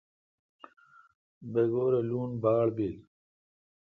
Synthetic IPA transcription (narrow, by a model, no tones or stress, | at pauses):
beɡoːɾeluːnbaːɭbiːl